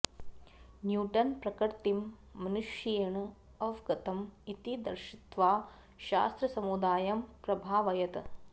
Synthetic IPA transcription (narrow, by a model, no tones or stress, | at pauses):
njuːʈɐnpɾɐkɐɾt̪imː | ɐnuʃjɐjɐɳɐ | ɐʋɡɐt̪ɐmit̪id̪ɐɾʃit̪ʋaː | ʃa̰ːst̪ɾɐsɐmud̪aːjɐmpɾɐbʱaːʋɐjɐt̪